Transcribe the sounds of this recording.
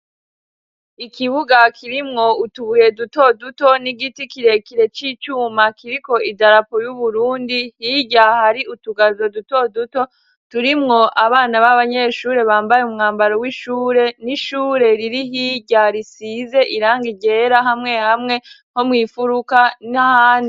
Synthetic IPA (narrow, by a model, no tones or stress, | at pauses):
ikʰiβuɡakʰiɾimŋo̞utuβuje̞duto̞duto̞niɡitikiɾe̞kiɾe̞t͡ʃiːt͡ʃuːmakiɾiko̞ʔidaɾapojuβuɾuːndihiːɟahaɾiʔutuɡazo̞duto̞duto̞ | tuɾimŋo̞ʔaβaːnaβaβaɲe̞ʃuːɾe̞βaːmbajeumŋaːmbaɾowiʃuːɾe̞niʃuːɾe̞ɾiɾiɦiɟaɾisize̞ʔiɾaːŋɡiɟe̞ɾaɦamŋe̞hamŋe̞ | ho̞mŋiːfuɾukanahaːndi